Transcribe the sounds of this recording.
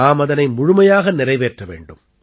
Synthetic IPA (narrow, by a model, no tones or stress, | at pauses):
aːmɐðɐnɐɪmʊɻʊmɐjaːɣɐnɪrɐɪʋeːʈrɐʋḛːɳɖɯm